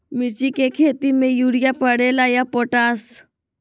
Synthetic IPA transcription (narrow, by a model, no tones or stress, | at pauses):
mɪɾt͡ʃikekʰeːt̪imẽjuːɽijapɐɽeːlajapoːʈaːs